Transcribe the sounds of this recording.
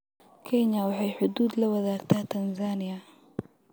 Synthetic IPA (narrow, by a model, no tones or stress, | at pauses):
kʰɛɲɐwɑħɑjħʊd̪uːd̪lɐwɐðaːɡt̪ʰaːt̪ʰɐnzaːnɪjɐ